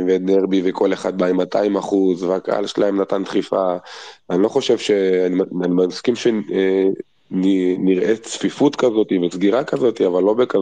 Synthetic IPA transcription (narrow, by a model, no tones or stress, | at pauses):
veneʁbivekʰo̞le̞χad̪̚baimataimaχuzveaka̰a̰lʃelae̞mnatant̪χifaanilo̞χo̞ʃevʃeanianimaskimʃe | niniʁʔet͡sfifut̪kazo̞t̪ivesɡiʁakazo̞t̪iavalːo̞beka